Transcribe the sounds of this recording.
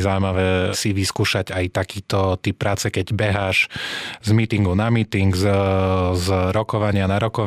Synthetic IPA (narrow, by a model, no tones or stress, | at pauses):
zaʊjmaʋɛːsiʋiskuːʃaɟajt̪akiːt̪ɔt̪ip̚pːɾaːt͡sɛkɛɟbɛɦaːʃzmiːt̪iŋɡunamiːt̪iŋɡz | zɾɔkɔʋaɲɪanaɾɔkɔʋ